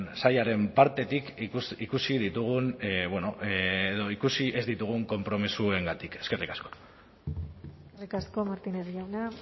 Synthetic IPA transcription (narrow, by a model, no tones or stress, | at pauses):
nsajaɾe̞mpaɾt̪e̞t̪ikusikusið̞it̪uɣ̞unβweno̞eðo̞ikusie̞zd̪it̪uɣ̞uŋko̞mpɾo̞misue̞ŋɡat̪ike̞ske̞rikḁsko̥ | serikasko̞maɾt̪ineɾiawna